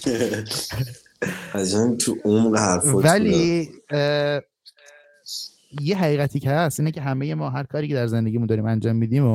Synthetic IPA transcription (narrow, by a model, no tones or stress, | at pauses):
æd͡ʒant̪ʰuʔomɢehæɾfovæli | jeɦæɣiːɣæt̪ʰiːcʰehæsiːnecʰe̞ɦæmeje̞mɒːɦæɾkʰɒːɾiːcʰe̞d̪æɾze̞nd̪e̞ɟiːmund̪ɒːɾiːmænd͡ʒɒːmːiːd̪imo